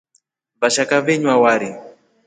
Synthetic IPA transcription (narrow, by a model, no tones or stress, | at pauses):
βaʃakavɛɲwawaɾi